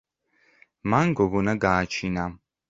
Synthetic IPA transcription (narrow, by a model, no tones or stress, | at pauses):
manɡɔɡɔnaɡaːt͡ʃʰina